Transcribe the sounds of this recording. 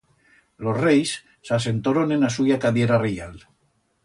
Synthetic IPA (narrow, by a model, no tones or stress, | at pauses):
losrejsː | as̬ent̪oɾonenasujakaðjeɾarejal